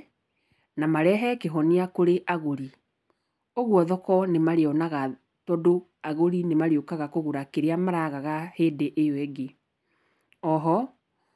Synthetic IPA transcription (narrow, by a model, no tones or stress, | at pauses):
namaɾɛɦɛkeɦɔniakoɾeʔaɣoɾi | oɣwɔðɔkɔnemaɾeɔnaɣa | tɔdo | aɣoɾinemaɾeokaɣakoɣuɾakeɾeamaɾaɣaɣaheːdeʔejɔɛɡe | ɔɦɔ